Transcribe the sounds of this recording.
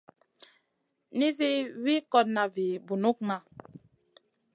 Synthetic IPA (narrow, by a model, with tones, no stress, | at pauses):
ni˦zi˦wi˦kɔ˦t̚na˨vi˨bu˨nu˦k̚na˨